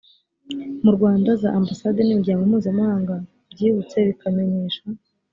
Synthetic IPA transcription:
muɾɡwaːndaza̰ʔambasadenimiɾɟaːŋɡomuːzamhaːŋɡa | bɟiːβut͡se̞βikame̞ɲe̞ːʃa

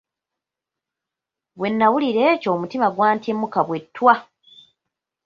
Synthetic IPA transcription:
βwe̞nːawuliɾe̞ːco̞ːmutimaɡwaːntemːukaβwe̞tːwa

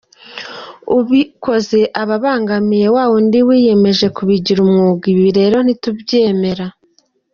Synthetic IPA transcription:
uβiko̞ze̞ʔaβaβaːŋɡamije̞waːwo̞ndiwiːje̞me̞ʒe̞kuβiɟiɾumŋuɡiβiɾe̞ːɾo̞n̥itubɟe̞ːme̞ɾa

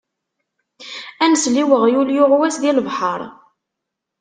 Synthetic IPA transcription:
ænsliwəʁjuljʊʁwæsðiləvħəɾˤ

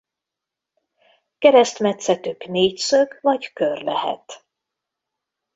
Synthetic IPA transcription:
kɛɾɛst̪mɛt̪sɛt̪ykneːcsøɡvɒɟkørlɛhɛ̰t̪

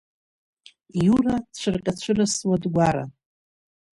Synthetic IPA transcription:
jurat͡ɕʷʰɨrqʲʼat͡ɕʷʰɨraswadɡʷaɾa̰

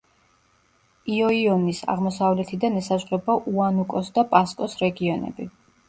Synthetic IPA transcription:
iɔiɔnisa̰ʁmɔsavlɛt̪ʰid̪anɛsazʁɾɛbaʔuanukʼɔsd̪apʼaskʼɔsɾɛɡiɔnɛ̰bi

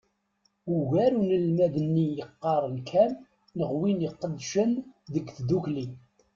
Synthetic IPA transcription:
uɣæɾunəlmæðənːijəqːɑɾˤlkʰænː | əʁwinjəqːəd̪ʃənðəɡθd̪ukli

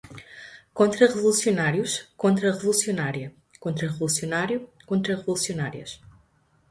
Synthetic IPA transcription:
kõnt̪ɾɐʁɨvulˠusiunaɾjuʃkõnt̪ɾɐʁɨvulˠusiunaɾiɐ | kõnt̪ɾɐʁɨvulˠusiunaɾjukõnt̪ɾɐʁɨvulˠusiunaɾiɐ̰ʃ

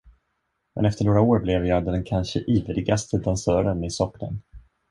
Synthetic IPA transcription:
mɛ̰nɛft̪əɳoːɡɾaoːɾblɛvjɑːd̪ɛnkʰanʂəʔiːvəlɪɡast̪ʰəd̪ansœːɾənɪsɔkːnə̰n

